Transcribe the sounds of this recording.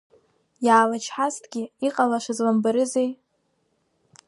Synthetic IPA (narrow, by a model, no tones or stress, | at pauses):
jaːlat͡ʃʰħastʰʼɡʲɪiqʼalaʂʷazlambaɾɨzej